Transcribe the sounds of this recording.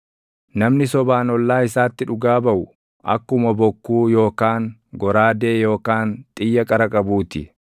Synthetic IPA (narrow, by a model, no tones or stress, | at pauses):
nɐmnɪsɔbaːnɔlːaːɪsaːt̪ːɪᶑʊɡaːbɐʔʊ | ʔɐ̰kːʊmɐbɔkːuːjo̞ːkaːŋɡɔɾaːd̪e̞ːjo̞ːkaːnt̪ʼɪjːɐkʼɐɾɐkʼɐbuːt̪ɪ̰